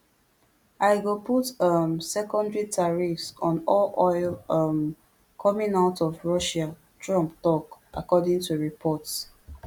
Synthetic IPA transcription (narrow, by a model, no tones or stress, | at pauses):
aɪɡoputʌmsɛkɔ̃ndɹitʰaɹifsɔ̃nɔlɔɪlʌm | kʰɔmĩnaʊtɔvɹɔʃa | tɹɔ̃mptɔkʔakɔdĩŋtuɹipʰɔts